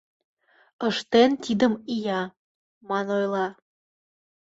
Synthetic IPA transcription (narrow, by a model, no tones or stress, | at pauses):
əʃt̪ent̪id̪əmijɑ | mɑnojlɑ